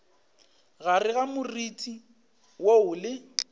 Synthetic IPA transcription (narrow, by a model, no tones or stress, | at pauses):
ɣarɪɣamʊritʼi | woʊlɪ